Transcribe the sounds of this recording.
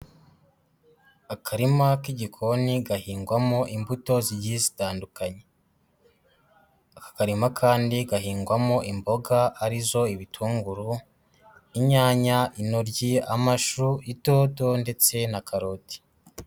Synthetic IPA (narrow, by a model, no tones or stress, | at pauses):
akʰaɾimakiɟikʰo̞niɡahiːŋɡwamoʔimbuto̞ziɟizitaːndukaɲe | akḁkaɾimakʰaːndiɡahiːŋɡwamoʔimbo̞ɡaːɾizo̞iβitʰuːŋɡuɾu | iɲaːɲaʔinoɾɟiamaʃuito̞ːto̞nde̞t͡se̞nakaɾo̞ti̥